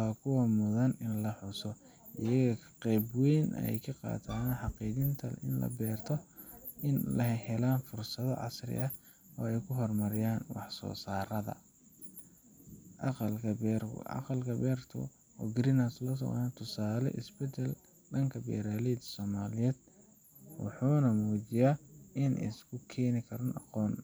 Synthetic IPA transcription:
wɑːkʰʊwɐmʊðɐnɪnlɐħʊsɔ | ɪjɐɣɐkʰqɛjbwɛjnɐ̰jkʰɑqɑ̰ːt̪ʰaːnħɑqiːɣɪnt̪ʰɐlɪ̰nlɐ̰bɛːrt̪ʰɔ | ʔɪnlɐɦɛhɛlaːnfʊrsɐðɔ̰ʕɑ̰srɪ̰ʔɐ | ɔːɛjkʰʊɦɔrmɐɾɪjaːnwɑ̰ħsɔ̰ːsaːɾɐðɐ̰ | ʔɑqɑlkʰɐbɛrɑ̰qɑlkʰɐbɛːrt̪ʰʊ̰ | ɔːɡɾiɪnaslɔs̬ɔ̰nt̪ʰʊsaːlɛ̰ʔɪ̰sbɛd̪ɛl | ɖɐŋkʰɐbɛ̰ːɾaːlɛːd̪sɔːmaːlɪjɛːd̪ | wɑ̰ħuːnɐmuːt͡ʃɪjaːɪnʔɪ̰skʰʊkʰɛːnɪkʰɐɾɐnɑ̰qɔːn

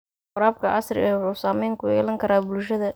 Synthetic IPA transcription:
ʊɾaːb̚kʰɐʔɑsrɪ̰ɛʊħuːsaːmɛjŋkʰʊjɛ̰ːlɐŋkʰɐɾaːbʊlʃɐðɐ

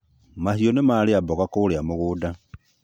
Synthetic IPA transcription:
mahionemaliaboɣakuliamuɣuda

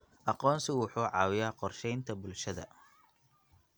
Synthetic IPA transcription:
ʔɑqɔːnsɪwʊħuːʕɑːwɪjaːqɔrʃɛjnt̪ʰɐbʊlʃɐðɐ̰

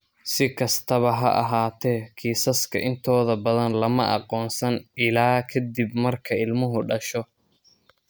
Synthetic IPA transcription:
sɪkʰɐst̪ʰɐβɐɦɐ̰ʔɑ̰ɦaːt̪ʰɛːkʰiːsɐskʰɐ̰ʔɪnt̪ʰɔːðɐbɐðɐnlɐmɐʔɑ̰qɔːnsɐnɪlaːkʰɐd̪ibmɐrkʰɐɪlmʊɦʊɖɐʃɔ

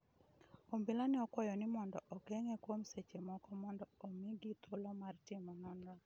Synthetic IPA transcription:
ombɪlanɛɔkwɔjɔnɪmɔndɔʔɔkeŋekwomset͡ʃemɔkɔmɔndɔomiɡit̪olomartɪmɔnɔnɔ

